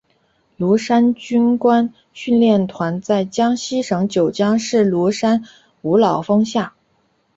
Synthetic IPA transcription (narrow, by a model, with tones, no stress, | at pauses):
lu˧˥ʂa˥nt͡ɕy˥nkwa˥n | ɕy˥˧nljɛ˥˩nt̪ʰwa˧˥nt͡sa˥˩ɪt͡ɕjɑ˥ŋɕi˥ʂɤ˧˥ŋt͡ɕjo˨˩ʊt͡ɕjɑ˥ŋʂɻ̩˥˩lu˧˥ʂa˥n | u˧˥lɑ˨˩ʊfɤ˥ŋɕja˥˩